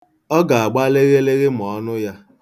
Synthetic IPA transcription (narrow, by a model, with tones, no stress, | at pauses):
ɔ˦ɡa˨a˨ɡ͡ba˦le˦ɣe˦le˦ɣe˦m˨ɔ˨˦nʊ˦ja˦